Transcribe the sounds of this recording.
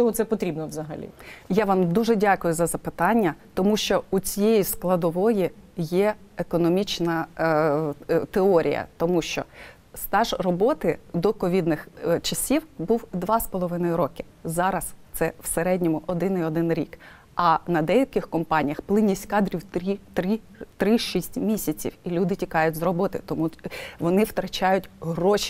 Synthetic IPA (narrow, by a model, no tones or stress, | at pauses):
ɔɔt̪sɛpɔt̪ɾʲibnɔʋzɐɦɐ̰lʲḭjaʋɑmd̪uʒɛdʲɑkʊjʊzɐzɐpɪt̪ɑnʲːɐt̪ɔmuʃt͡ʃɔut͡sʲijejisklˠɐd̪ɔʋɔjijɛekɔnɔmʲit͡ʃnɐ | t̪eɔɾʲḭjɐ̰t̪ɔmuʃt͡ʃɔ̰ | st̪ɑʒrɔbɔt̪ɪd̪ɔkɔʋʲid̪nɪxt͡ʃɐsʲiwbuwd̪ʋɑspɔlˠɔʋɪnɔjʊɾɔkɪ̥ | zɑɾɐst̪sɛwseɾɛdʲnʲɔmʊʔɔd̪ɪniɔd̪ɪnɾʲḭk | ɐnɐd̪ɛjɐkɪxkɔmpɑnʲijɐxplˠɪnʲisʲtʲkɑd̪ɾʲiwt̪ɾʲit̪ɾit̪ɾɪʃisʲtʲmʲisʲɐt͡sʲḭwilʲud̪ɪtʲikɑjʊtʲzrɔbɔt̪ɪt̪ɔmuʋɔnɪwt̪ɾɐt͡ʃɑjʊt̚ʲɦrɔʃ